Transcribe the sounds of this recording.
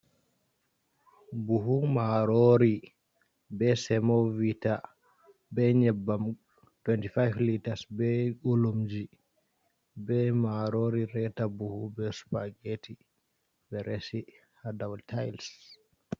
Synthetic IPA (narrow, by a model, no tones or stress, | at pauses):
buɦumaɾoɾi | bɛsɛmɔvita | bɛɲɛbːam | twɛntifajvlitaɾsbɛʔulumd͡ʒi | bɛmaɾoɾiɾɛtabuhubɛsu̥paɡeti | bɛɾesi | hadawltʰajls